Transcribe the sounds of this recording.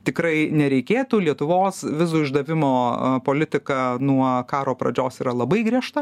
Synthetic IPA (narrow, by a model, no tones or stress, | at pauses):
t̪ʲɪkɾɐɪnʲɛɾʲɛɪkʲeːt̪uːlʲiɛt̪ʊʋoːsʋʲɪzuːɪʒd̪ɐʋʲɪmo̰ːpoːlʲɪt̪ʲɪkɐnuɔkɑːɾoːpɾɐ̰d͡ʒʲoːsiːɾɐlˠɐbɐɪɡɾʲiɛʃt̪ɐ